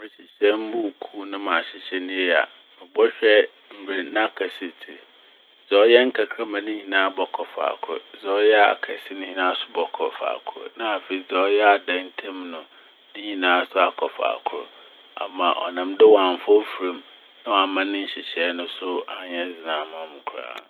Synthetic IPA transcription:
mɪ̃˨ɕɪ˨ɕɛ˦m̩˦bu˦˨kʰu˦nʊ̃˦mã˨ɕɪ˨ɕɛ˦nɪ̃˦jɛ˦˨a̰˨ | mɪ̃˨bɔ˦ɕᶣɛ˦ | m̩˨be˨nã˦kʰa˨si˨tʰi˨ | zɔ˦jɛ˦ŋ̩˦kʰa˨kʰɾa˦mã˨nɪ̃˦ɲĩ˨nãː˦bɔ˨kʰɔ˨fa̰ː˨kʰʊ˦ɾʊ̰˨zɔ˦jɛ˦a̰˨kʰɛ˨si˦nɪ̃˦hi˨nãː˦sʊ̥˦bɔ˨kʰɔ˨fa̰ː˨kʰʊ˦ɾʊ̰˨nã˦a˨fe˨i˨zɔ˦jɛ˦a˨dã˦n˦tʰɛ̃˦mnʊ̃˨ | nĩ˦ɲĩ˨nãː˦sʊ˦a˨kʰɔ˨fa̰ː˨kʰʊ˦ɾʊ̰˨ | a̰˨mã̰˨ʔɔ̰˨nã˨mdɪ˦wa˨m˨fɔ˦fu˨ɾẽ˦m | nã˦wa˨mã˦nɪ̃˦n̩˦ɕɪ˨ɕɛ˨˦nʊ̃˦sʊ˦a˨ɲɛ˦d͡zɪ˨nãː˨˦mã˦mʊ̃˨kʰʊ˨ɾa̰ː˦˨

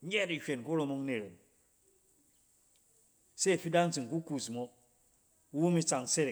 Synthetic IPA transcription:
ɲe˦di˨hʲʷe˨nku˦ɾo˧mo˦ŋne˨ɾe˨m | se˦˨fi˦da˦n˦t͡si˨ŋ˨ku˦ku˨smo˦ | wu˦mi˦t͡sa˨ŋse˦ɾe˨

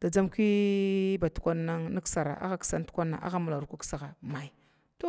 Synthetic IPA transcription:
d̥a˨d͡za˦mki˦ba˨tu̥˨kʷa˦nːa˦ŋni˦ksa˨ɾa̰˨ʔa̰˦xa˦ksa˦n˦tu̥˦kʷa˦nːa̰˨ʔa̰˦xa˦mu˨la˨ɾu˨kʷu˦ksa˨ɣa˨ma˨i˨ | to˦

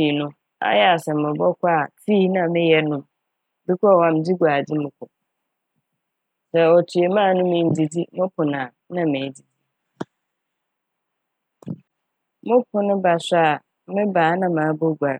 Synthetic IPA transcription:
nʊ̃˦ | a̰˦jɛ˦a˨sɛ˨mʊ̃˨bɔ˦kʰʊ˦a˦˨tʰi˦nã˨mɪ̃˦jɛ˦nʊ̃˨m | bɪ˦kʰɔ˦˨wã˨m̩˨˦di˦ɡʷa˨dɪ˦mʊ̃˨kʰʊ˨ | sɛ˨ɔ˨tʰɪ˨ɛ˨mãː˦˨nʊ̃˦mɪ̃˨n̩˨di˨di˦mʊ̃˦pʰʊ˨nã˨ | nã˦mɪ̃˨di˨di˦ | mʊ̃˦pʰʊ˦nʊ̃˦ba˨sa˨ | mɪ̃˦baː˨˦nã˦mã˨˦bo˦ɡʷa˨

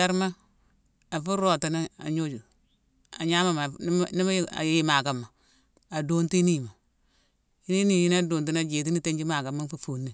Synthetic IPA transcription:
a˦ɾma˦ | a˨fu˦ɾo˨ti˨na˦a̰˨ɲo˦d͡ʒu˨ | a̰˨ɲa˦ma˦ma˨˦ni˦ma˦a̰˨ji˦ma˨ka˨mːa˨ | a˨do˦nti˦ni˦˨ma˨ | i˦ni˦ni˨ji˦n˦a˦doː˨nti˦n˦a˦d͡ʒeː˨t̬i˦ni˦te˦ɲd͡ʒi˦ma˨ka˨ma˦n˦fu˦fu˨nːi˦˨

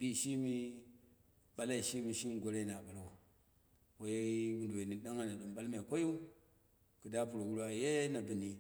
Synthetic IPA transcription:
bi˦˨ʃi˦mi˦ | ɓa˦la˦i˨ʃi˦mi˨ʃi˦nɡʷo˨ɾe˦˨na˨ɓa˨ɾa˨u˨ | wo˨je˦wu˨ndu˨e˨ni˨ɗa˦ŋa˨na˨ɗu˨mɓa˦lma˨kʷo˦ju˦ | ku˨da˦pu˨ɾo˨wu˦ɾwa˦je˦na˨bu˨ni˨

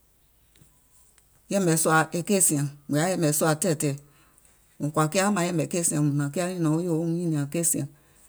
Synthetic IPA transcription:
jɛ̃˦mɛ˨su˧a˨ʔe˨ke˦˨sĩ˨˧˨ã˨mĩ˨a˨˦jɛ̃˦mbɛ̃˨su˦a˨tɛ˦˨tɛ˨ | ŋũ˨kwa˨ki˦a˦mã˨˦jɛ̃˦˨mbɛ˨ke˦˨sĩ˨˧ã˨mũ˨nã˨ki˦a˦nĩ˦nɔ̃˨˦o˦jo˦˨˦ɲĩ˦nĩ˨ã˨ke˦˨sĩ˨ã˨

